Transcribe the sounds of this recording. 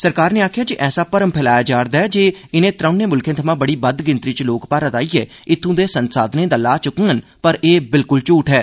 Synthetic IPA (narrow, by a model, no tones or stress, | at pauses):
səɾkaːɾneːaːkʰjaːd͡ʒɪʔɛːsaːpəɾəmpʰɛːlaːjaːd͡ʒaːɾd̪aːɛːd͡ʒeːɪnẽːt̪ɾãːnẽːmʊlkʰẽːt̪ʰəmãːbəɽiːbəd̪ɡɪnt̪ɾiːt͡ʃloːkpaːɾət̪aːiːɛː | ɪt̪ʰːũːd̪eːsənsaːd̪nẽːd̪aːlaːt͡ʃʊkə̃ːən | pəɾeːbɪlkʊlt͡ʃuːʈɦɛː